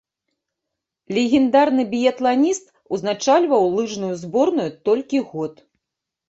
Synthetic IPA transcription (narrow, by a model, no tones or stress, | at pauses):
lʲɛɣʲɛnd̪arnɨbʲijɛt̪lˠanʲist̪ | uznat͡ʂalʲvɐwlˠɨʐnujuzbɔrnujut̪ɔlʲkʲiɣɔt̪